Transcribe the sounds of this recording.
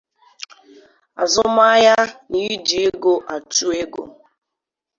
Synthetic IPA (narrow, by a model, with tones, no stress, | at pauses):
a˨zʊ˦ma˦ja˦ni˨˦di˨e˦ɡo˦ʔa˨tu˦e˦ɡo̰˨